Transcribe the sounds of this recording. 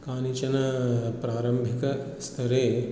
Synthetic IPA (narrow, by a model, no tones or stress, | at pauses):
kaːnit͡ʃɐnɐpɾaːɾɐmbʱikɐ | st̪ʰɐɾeː